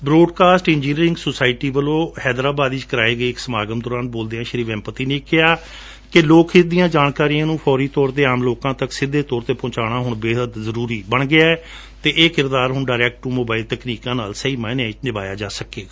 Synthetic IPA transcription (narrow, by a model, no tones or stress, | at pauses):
bɾoːɖkaːsʈɪ̃nd͡ʒiːniːɾɪ̃ŋɡsoːsaːɪʈiːbəlõːhɛːd̪ɾaːbaːd̪iːt͡ʃkəɾaːeːɡəeːɪksəmaːɡəmd̪ɔːɾaːnboːld̪eːãːʃəɾiːʋɛ̃ːmpət̪iːneːkːɪaː | kɪloːkʰɪt̚d̪ijãːd͡ʒaːnkaːɾijãːnũːpʰɔːɾiːt̪ɔːɾt̪eːaːmloːkãːt̪əksɪd̪ːeːt̪ɔːɾt̪eːpɔ̃ːt͡ʃaːɽ̃aːɦʊɳbeːɦəd̪zəɾuːɾiːbəɳɡɪaːɛː | t̪eːʔeːkɪɾd̪aːɾɦʊɳɖaːɾɛːk̚ʈːuːmoːbaːɪlt̪əkniːkãːna̰ːlsəiːmɛ̃ːnãːt͡ʃnɪʋa̰ːjaːd͡ʒaːsəkːeːɡaː